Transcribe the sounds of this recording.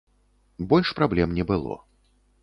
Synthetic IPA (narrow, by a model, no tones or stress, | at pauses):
bɔlʲʂpɾablʲɛmnʲɛbɨlˠɔ̰